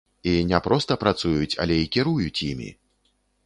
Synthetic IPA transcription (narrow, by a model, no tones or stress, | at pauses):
inʲɛpɾɔst̪ɐpɾat̪sujut͡sʲa̰lʲɛikʲiɾujut͡sʲjimʲḭ